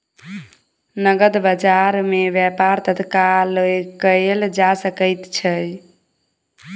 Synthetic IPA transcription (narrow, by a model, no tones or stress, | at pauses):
nəɡəd̪bəd͡ʒaɾmebjɛpaɾt̪ət̪kalkəld͡ʒasəkəjt̪t͡ʃʰəj